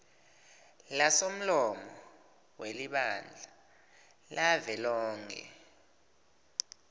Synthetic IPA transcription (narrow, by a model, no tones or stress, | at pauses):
lasom̩lɔmɔɔ | weliɓand͡ɮʱa | lʔavɛlɔːŋkʰɛ̰